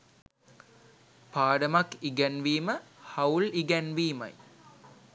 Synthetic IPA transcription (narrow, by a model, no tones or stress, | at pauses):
paːɖəmakːiɡænʋiːməhɐwliɡænʋiːmɐ̰j